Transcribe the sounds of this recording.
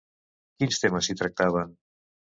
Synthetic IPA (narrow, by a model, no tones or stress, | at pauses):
kinst̪eməsit̪ɾək̚t̪aβ̞ən